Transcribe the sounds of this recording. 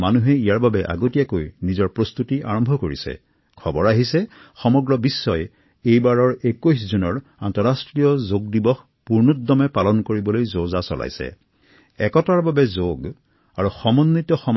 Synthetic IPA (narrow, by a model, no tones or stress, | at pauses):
manuɦɛijaɹbabɛʔa̰ɡotijakojnizɔɹpɹost̪utia̰ɹɔmbʱɔkoɹḭsɛ̰ | kʰɔbɔɹaɦisɛxɔmɔɡɹɔbisːɔj | ejbaɹɔɹekujs̬zunɔɹantɔɹastɹijɔzoɡ̚dibɔx | puɹnudːɔmɛpalɔnkoɹibɔlojzozasɔ̰la̰jsɛ̰ | ɛkɔtaɹbabɛzoɡ | aɹuxɔmɔnːitɔxɔm